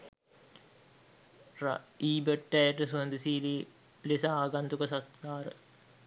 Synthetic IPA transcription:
ra̰iːbəʈːæjəʈəsuənd̪isiːli | lisaaːɡant̪ukəsat̪kaːɾə̰

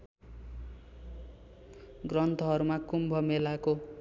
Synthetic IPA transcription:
ɡrʌnt̪ʰʌɦʌɾumakumbʱʌmelako

